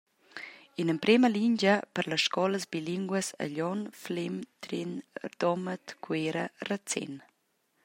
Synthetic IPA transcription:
inəmpɾeməliɲd͡ʒəpəɾləsʃkɔləsbiliŋɡwəsə̰ʎɔnflimt̪ɾinrd̪̥ɔmət̪kweɾərət͡sɛ̰n

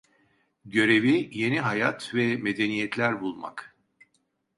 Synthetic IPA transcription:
ɟø̞ɾe̞vije̞niɦajat̪vɛme̞d̪e̞nijɛt̪ʰlʲæɾbulˠma̰k

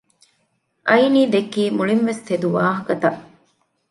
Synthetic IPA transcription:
ʔɐjniːd̪ekiːmuɭinʋest̪ed̪uʋaːɦɐkɐt̪ɐʔ

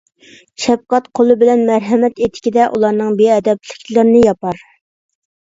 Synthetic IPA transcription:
ʃɛp̚qɑt̪qʰolˠɨbɪlɛnmæɾɦɛmɛt̪et̪ʰɪ̥kʲid̪ɛʔulˠɑɾnɨŋbeɛd̪ɛplɪ̥kʲlɪɾɪnɪjɑpɑɾ

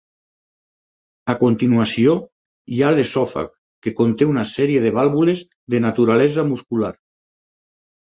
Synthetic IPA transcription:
akont̪inuasio | jalesɔfa̰k | kːekont̪eunasɛɾieðeβalβulez | ðenat̪uɾalɛzamuskulaɾ

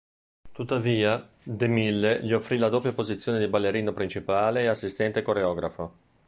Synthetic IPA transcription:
t̪ut̪ːaviːa | d̪emilːeʎiofːɾilad̪oːpjapozit̪sːjoːned̪ibalːeɾiːnopɾint͡ʃipaːleːasːist̪ɛnt̪ekoɾeɔːɡɾa̰fo

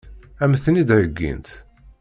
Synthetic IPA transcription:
æməθnid̪ɾəɡːḭnt̪

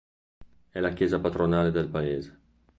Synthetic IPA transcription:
ɛlakjeːzapat̪ɾonaːled̪elpaeːze

